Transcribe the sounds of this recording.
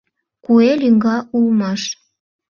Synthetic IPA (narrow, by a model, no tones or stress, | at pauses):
kuelʲiŋɡɑʔulmɑʃ